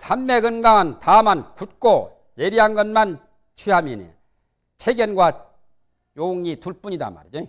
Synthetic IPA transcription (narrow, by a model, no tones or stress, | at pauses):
sʰanmeɡɯnɡaŋɯntamankut̚k͈o | jeɾiɦanɡʌnman | t͡ɕʰiɦaminḭ | t͡ɕʰeɡjʌnɡwa | jouŋituɭp͈uɲida̰ma̰ɾid͡ʑi